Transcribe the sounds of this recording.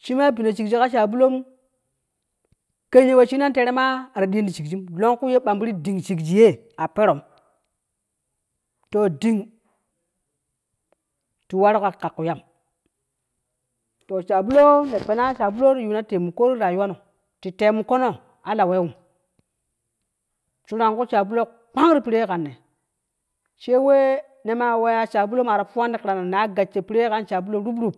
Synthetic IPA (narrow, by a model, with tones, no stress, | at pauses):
ʃi˦ma˦bi˨na˨t͡ʃi˨kd͡ʒi˦ka˦ʃ̬a˨bu˦lo˦m | ke˦ɲe˦we˦ʃi˦na˦n˦te˨ɾe˦ma˦˨ɾa˨ɗi˦ndi˨t͡ʃi˨kd͡ʒi˦mlo˦ŋku˦je˦ɓa˨mbi˦ɾi˦di˨ŋt͡ʃi˨kd͡ʒi˨je˦ | a˨pe˦ɾo˨m | to˨di˨ŋ | ti˨wa˦ɾka˨ka˨kːu˨ja˦m | to˨t͡ʃa˨bu˦lo˦ne˨pe˨na˦t͡ʃa˨bu˦lo˦ɾju˨na˦te˨mu˨ko˦ɾi˦ɾa˨ju˦wa˦no˨ | ti˨te˨mu˨ko˦no˦˨ | a˨la˨we˦wu˨m | t͡ʃu˦ɾa˨ŋku˦t͡ʃa˨bu˦lo˦ | k͡pa˦ŋ˦ɾi˦pi˨ɾe˦ka˨nːe˨ | t͡ʃe˦we˦ | ne˦ma˦˨we˦ja˦t͡ʃa˨bu˦lo˦ma˨ɾa˨pu˦wa˦ndi˦kɾa˨na˨na˨˦ɡa˨t͡ʃːe˨pi˨˦ɾe˦ka˦nt͡ʃa˨bu˦lo˦ɾu˦bɾu˦˨p̚